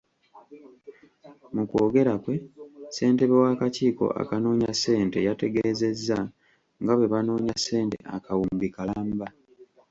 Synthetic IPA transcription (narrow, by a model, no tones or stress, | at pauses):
mukoːɡe̞ɾakwe̞se̞ːnte̞βewaːkaciːko̞̰ʔa̰kanoːɲase̞ːnte̞jate̞ɡe̞ze̞zːa | ŋɡaβwe̞βanoːɲasːe̞ːnte̞̰akawumbikalaːmba